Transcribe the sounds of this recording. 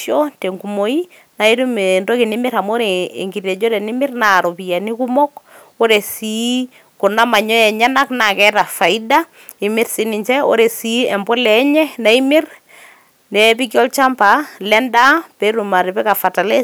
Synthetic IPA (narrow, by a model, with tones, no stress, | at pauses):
jɔ˦te˨ŋɡu˨mo˨i˦ | na˨i˦ɾu˦me˨nto˦ki˨nɪ˦mɪ˦ɾa˨mo˦ɾe˨ḛ˨ŋɡi˨rjɛ˨d͡ʒo˦ɾɛ˨nɪ˦mɪ˦rna˨ɾo˨pi˨ja˨ni˦ku˦mɔ˦k | o˦ɾe˨si˦ | kʊ˨na˦ma˨ɲɔ˦ɛ˨ɲa˦na˦kna˨kɛ˦ta˨fa˨i˦da˦ | ɪ˨mɪ˦ɾsi˨˦nɪ˨ɲt͡ʃɛ˦o̰˦ɾe˨si˦ɛ˨mbɔ˦lɛ˦ɲɛ˦na˦i˦mɪ˦r | nɛ˨pi˦kjɔ˦lt͡ʃa˦mpalɛ˦nda˦pe˦ɾu˨ma˨ɾe˨pɛ˦ka˨fa˨ta˨lɛ˦